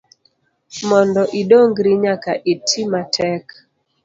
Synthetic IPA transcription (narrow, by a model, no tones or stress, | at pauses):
mɔndɔʔidoŋɡɾiɲakaʔitʰimatʰɛk